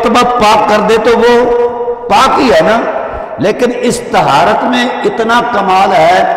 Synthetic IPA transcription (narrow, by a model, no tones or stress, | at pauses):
t̪bapaːkːɐɾd̪et̪oʋo | paːkɦiɦɛːna | leːkɪnɪst̪ɐɦaːɾət̪mẽɪt̪nakɐmaːlɦɛː